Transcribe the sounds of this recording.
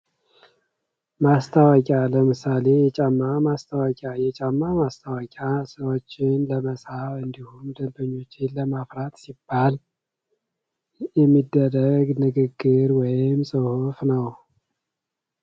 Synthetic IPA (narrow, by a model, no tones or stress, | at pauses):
mast̪ʰawɔkʼaləmɨsale̞jɛt͡ʃʼamːamast̪ʰawɔkʼajɛt͡ʃʼamːamast̪ʰawɔkʲʼasəwot͡ʃːɪnləməsafɨnd̪ihumd̪əmbəɲːo̞t͡ʃːɪnləmafɾat̪sibːal | jɛmːid̪ːəɾəɡnɨɡɨɡːɨɾwɔjɪmsʼɨhufnəw